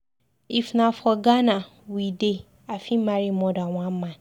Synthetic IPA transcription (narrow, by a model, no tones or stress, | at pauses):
ifnãfɔɡanã | wide | afimãɾimɔ̃daw̃ãmmã